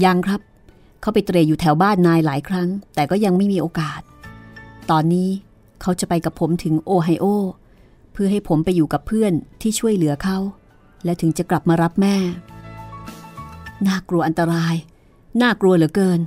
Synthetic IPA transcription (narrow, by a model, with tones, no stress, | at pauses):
ja˧ŋkʰɾa˦˥p̚ | kʰa˦˥wpa˧jt̪ɾeː˧juː˨˩t̪ʰɛ˩˦wbaː˥˩nːaː˧jlaː˩˦jkʰɾa˦˥ŋt̪ɛː˨˩kɔː˥˩ja˧ŋma˥˩jmiː˧ʔoː˧kaː˨˩t̪̚ː | ɔː˧nːiː˦˥ | kʰa˦˥wt͡ɕa˨˩pa˧jka˨˩pʰo˩˦mt̪ʰɯ˩˦ŋʔoː˧ɦa˧jʔoː˥˩ | pʰɯ˥˩ɐɦa˥˩jpʰo˩˦mpa˧jːuː˨˩ka˨˩pʰɯ˥˩ənt̪ʰiː˥˩t͡ɕʰu˥˩əjlɯ˨˩˦kʰa˦˥w | lɛː˦˥t̪ʰɯ˩˦ŋt͡ɕa˨˩kla˨˩p̚maː˧ɾa˦˥p̚mɛː˥˩ | naː˥˩klu˧ɐʔa˧nt̪a˧ɾaː˧j | naː˥˩kɾu˧əlɯ˨˩˦əkɤː˧n